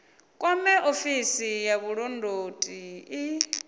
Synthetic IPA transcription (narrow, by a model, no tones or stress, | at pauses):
kʼwamɛʔofisijaβuɺɔndʱotʼii